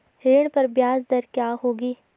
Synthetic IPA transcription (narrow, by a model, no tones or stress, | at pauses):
ɾeːɽ̃pɐɾbjaːzd̪ɐɾkjaːɦoːɡiː